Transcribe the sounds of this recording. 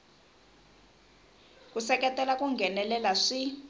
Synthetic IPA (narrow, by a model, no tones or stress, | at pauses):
kusɛkɛtʼɛlakuŋɡʱɛnɛlɛlaʂi